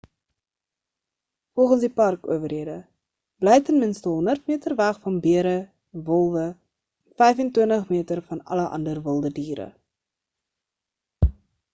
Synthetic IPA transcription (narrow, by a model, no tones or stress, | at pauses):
fɔlˠχənsdipɐrkṵəvərɦiədə | b̥lɛjtənmɪnstəɦɔnərtmiətərvæχfɐnbiəɾə | vɔlˠvə | fɛjfɛntwiəntəχmiətərfɐnɐ̰ləʔɐ̰ndərvəlˠdədiːɾə̰